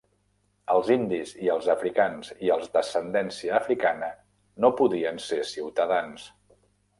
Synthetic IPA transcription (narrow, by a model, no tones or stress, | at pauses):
əlˠzind̪iziəlˠzəfɾikanziəlˠzðəsənd̪ɛnsiəːfɾikanə | nopuðiənsesiwt̪əðans